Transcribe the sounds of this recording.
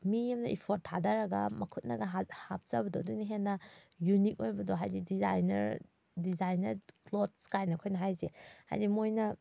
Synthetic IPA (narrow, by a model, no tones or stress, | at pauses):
mijamnɐʔipʰot̚tʰːadaɾaɡa̰mɐkʰut̚na̰ɡaɦahap̚z̥abɐdɔduniɦenːɐ | junik̚ojbɐdɔɦa̰jdidiza̰jnɐ̰ɾ | dizajnɐɾklot̚skajnɐkʰojnɐɦajzeha̰jdimojnɐ